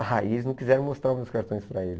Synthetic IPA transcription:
haɪelɪznɐ̃wkizɛɾɐ̃w̃most̪ɾaɾmewskaɾt̪õj̃spɾɐelɪ

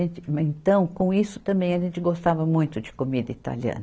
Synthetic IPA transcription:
ẽnt͡ʃɪmẽnt̪ɐ̃w̃kõw̃isʊ̥t̪ɐ̃mbẽj̃ɐʒẽnt͡ʃɪɡost̪avɐmũj̃t̪ʊd͡ʒɪkomid̪ɐit̪a̰liɐ̰̃nɐ

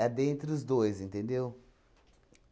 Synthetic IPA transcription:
ɛd̪ẽnt̪ɾɪʊzd̪ojzĩnt̪ẽnd̪ew

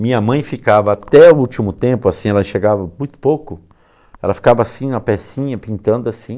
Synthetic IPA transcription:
mĩɲɐmɐ̃j̃fikavɐat̪ɛʊut͡ʃimʊt̪ẽmpʊasĩɛlɐẽʃeɾɡavɐmũj̃t̪ʊ̥powkʊ | ɛlɐfi̥kavɐasĩɐpɛsĩɲɐpĩnt̪ɐ̃nd̪ʊasĩ

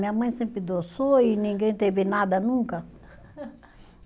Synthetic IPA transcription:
mĩɐmɐ̃j̃sẽmpɾɪd̪osoinĩɡẽj̃t̪evɪnad̪ɐnũŋkɐ

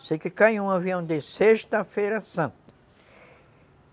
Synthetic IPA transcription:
sejkɪkajũaviɐ̃w̃d̪eseʃt̪ɐfejɾɐsɐ̃nt̪ɐ̥

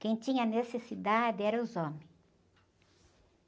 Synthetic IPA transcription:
kẽj̃t̪ĩɲɐnesesid̪ad̪ɪɛɾɐʊzɔ̃mẽ

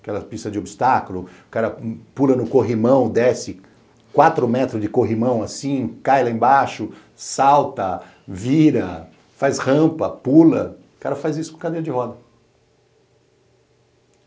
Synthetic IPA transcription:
kɛlɐpist̪ɐd͡ʒobist̪akʊlʊʊkaɾɐpulɐnʊkoɦimɐ̃w̃d̪ɛsɪ | kwat̪ɾʊmɛt̪ɾʊd͡ʒɪkoɦimɐ̃w̃asĩkajlɐẽbaʃʊ | sawt̪ɐ | viɾɐ | fajshɐ̃mpɐpulɐʊkaɾɐfajzisʊ̥kõkad̪ejɐd͡ʒɪɦɔd̪ɐ

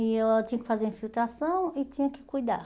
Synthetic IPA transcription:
ɪt͡ʃĩɲɐkɪ̥fazeɾĩfilwt̪ɾasɐ̃w̃ɪt͡ʃĩɲɐkɪ̥kujd̪a̰

